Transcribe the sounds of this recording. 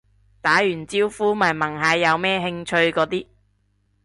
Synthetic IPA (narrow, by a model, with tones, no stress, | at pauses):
t̪aː˨˥jyː˨˩nt͡siː˥wfuː˥mɐ˨˩jmɐ˨˩ŋɦɐː˨˧˥jːɐ˨˧wmɛː˥ɦɪ˧ŋt͡ʃʰɵ˧ɥkɔː˨˧˥t̪iː˥